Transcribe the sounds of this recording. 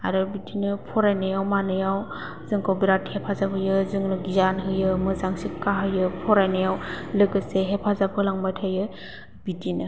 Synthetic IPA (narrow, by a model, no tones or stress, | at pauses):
a̰ɾɯbitinɯpʰɔɾajnɯjawmanɯjaw | zɯŋkʰawbiɾathepʰazapʰɯjɯzɯŋnɯɡizanɦɯjɯmɯzaŋsikːaɦɯjɯpʰɔɾajnɯjawlɯɡɯseɦepʰazapʰɯlaŋbajtʰajɯ | b̥itinɯ